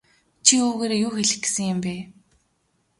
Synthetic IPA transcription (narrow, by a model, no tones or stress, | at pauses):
t͡ɕʰioːɣeːɾejʊːxeɮɪ̆xɡ̆sə̆ŋjɪ̆mpeː